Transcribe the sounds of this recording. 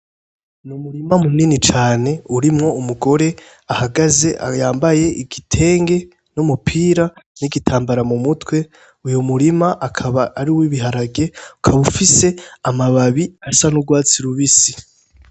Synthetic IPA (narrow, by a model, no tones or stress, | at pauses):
numuɾimamuninit͡ʃaːne̞uɾimŋo̞umuɡo̞ɾe̞ | ahaɡaze̞ʔa̰jaːmbaje̞ʔiɡitʰe̞ːŋɡe̞ | numupʰiːɾaniɡitʰaːmbaɾamumutwe̞ | ujumuɾimaʔakʰaβaːɾiwiβiɦaɾaɡe̞u̥kʰaβufise̞amaβaβiasanuɡwaːt͡siɾuβisi̥